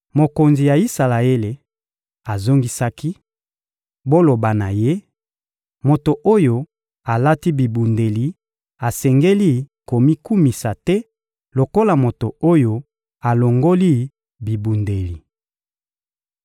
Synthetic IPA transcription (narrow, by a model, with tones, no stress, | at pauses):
mo˨ko˨nzi˨ja˨i˦sa˨la˨e˦le˨ | a˨zo˦ŋɡi˦sa˦ki˦ | bo˦lo˨ba˨na˨je˦ | mo˨to˨ʔo˦jo˨ | a˨la˦ti˦bi˨bu˨nde˨li˨ | a˨sɛ˨ŋɡe˦li˦ko˨mi˦ku˦mi˨sa˨tɛ˦ | lo˨ko˦la˨mo˨to˨o˦jo˨ | a˨lo˨ŋɡo˦li˦ | bi˨bu˨nde˨li˨